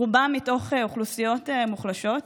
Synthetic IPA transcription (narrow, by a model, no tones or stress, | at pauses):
ubamːito̞χeuχlusijo̞temuχlaʃo̞t